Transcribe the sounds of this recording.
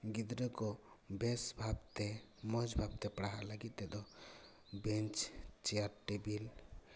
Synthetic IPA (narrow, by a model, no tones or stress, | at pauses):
ɡid̪ɾɔkɔbɛsbʱabt̪ɛ | mɔd͡ʒbʱab̚t̪ɛpɽaɦalaɡit̪ːɛd̪ɔ | bɛnt͡ʃt͡ʃɛaɾʈebil